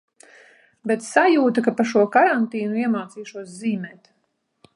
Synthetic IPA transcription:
bɛt̪sajuːt̪akapaʃ̬uɔkaɾant̪iːnuiɛmaːt̪siːʃuɔsziːmɛːt̪

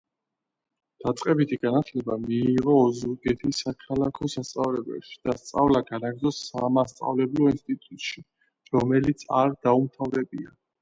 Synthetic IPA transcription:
d̪̥at̪sʼqʼɛbit̪ʰiɡanat̪ʰlɛbamiːʁɔːzuɾɡɛt̪ʰisːakʰalakʰɔsast̪sʼavlɛbɛ̰pʃi̥d̪̥ast̪sʼavlaɡanaɡɾd̪zɔsːamast̪sʼa̰vlɛblɔinst̪ʼit̪ʼut̪ʼʃi | ɾɔmɛlit̪sʰa̰ɾd̪̥aumt̪ʰavɾɛbḭa̰

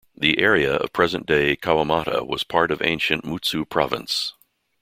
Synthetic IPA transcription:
ðiʔɛɹiɨʌ̰v̥pʰɹ̥ɛzɨ̃nd̥eɪkʰaʊəmɑɾə̰wʌ̰z̥pʰɑɹɾʌvḛ̃ɪ̃nʃɨ̃nmutsupʰɹ̥ɑ̰vɨ̰̃ns

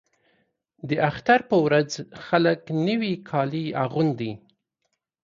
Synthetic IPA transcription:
d̪əʔaxt̪aɾpəwɾad͡zxaləknəwikʰɑliaɣund̪i

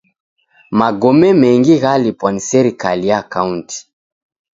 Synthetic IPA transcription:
maɡɔmɛmɛŋɡiɣalipwɔnisɛɾikalijakaunti̥

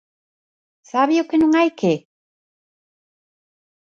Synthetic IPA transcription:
saβiokenuŋajke

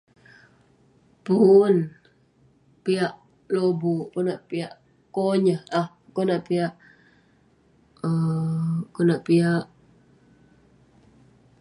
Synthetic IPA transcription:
pun | piaʔ | lobukunaʔpiaʔ | koɲəah | konaʔpiaʔ | ə | konaʔpiaʔ

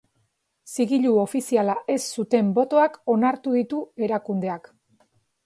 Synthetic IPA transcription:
siɣiʎuo̞fisialaʔe̞sːut̪e̞mbo̞t̪o̞ako̞naɾt̪uðit̪ue̞ɾakund̪e̞ak

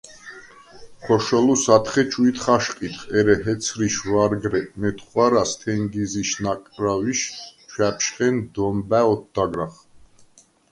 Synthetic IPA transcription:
χɔʃɔlusat̪ʰχɛt͡ʃʰʼuit̪ʰχaʃqʼit̪ʰχɛɾɛɦɛt̪sʰɾiʃvaɾɡɾɛmɛt̪ʰχwaɾast̪ʰɛŋɡiziʃnakʼɾaviʃt͡ʃʰwɛpʰʃχɛnd̪ɔmbæɔt̪̚ʰd̪aɡɾaχ

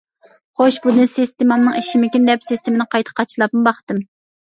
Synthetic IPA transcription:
χoʃbud̪ɨnsest̪ʰɪmɑmnɨŋiʃimɪkʲind̪ɛpsist̪ɪmɪnɪqʰɑjt̪ʰə̥qʰɑt͡ʃʰilˠɑp̚mɨbɑχt̪ɨm

